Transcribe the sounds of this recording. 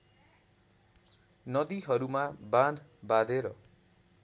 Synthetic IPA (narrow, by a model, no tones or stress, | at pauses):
nʌd̪iɦʌɾumabãd̪ʱbad̪ʱeɾʌ